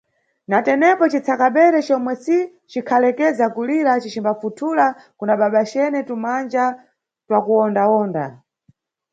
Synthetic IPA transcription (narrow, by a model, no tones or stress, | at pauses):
natɛnɛpɔt͡ʃit͡sʰakaɓɛɾɛt͡ʃɔmwɛsi | t͡ʃikʰalɛkɛzakuliɾat͡ʃit͡ʃimbafutʰulakunaɓaɓat͡ʃɛnɛtumand͡ʒa | twakuɔndawɔːnda̰